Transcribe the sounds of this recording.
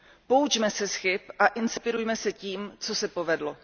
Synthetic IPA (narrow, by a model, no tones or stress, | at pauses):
po̞ut͡ʃmɛsɛsxɪpʔaʔɪnspɪɾujmɛsɛciːmt͡so̞sɛpovɛdlo